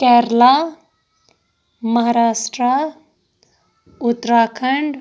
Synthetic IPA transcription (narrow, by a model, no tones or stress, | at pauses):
kɛːɾla | mɐɦaːɾaːsʈɾa | ut̪ːɾaːkʰəɳɖ